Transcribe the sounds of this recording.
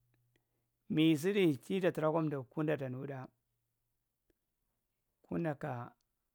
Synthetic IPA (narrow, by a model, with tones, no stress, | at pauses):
mi˨s̬i˦di˦˨t͡ʃi˦da˨ti˨ɾa˦ko˦mda˨ku˦nda˨ta˨n˨˦u˦ɗa˦ | kʰu˦nda˨ka˨